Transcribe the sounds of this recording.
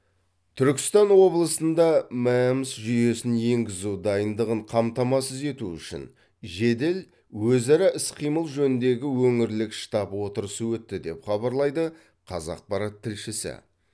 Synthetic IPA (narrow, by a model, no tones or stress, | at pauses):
t̪ʰʏɾkʲɪ̥st̪ɑnwo̞blˠəsənd̪ɑmæmɪsʒʏje̞sɪnje̞ŋɡʲɪzud̪ɑjənd̪əʁəɴqʰɑmt̪ɑmɑsəze̞t̪uʏ̰ʃɪ̰n | ʒe̞d̪e̞l | wɵzɑɾɑʔɪsqʰijməlˠʒɵnɪnd̪e̞ɡʲɪwɵŋɪɾlɪkʃt̪ɑpwo̞t̪əɾəsəwɵt̪ːɪd̪e̞pχɑbɑɾlˠɑjd̪ə | qʰɑzɑ̰q̚pɑɾɑt̪ʰːɪlʃɪsɪ̰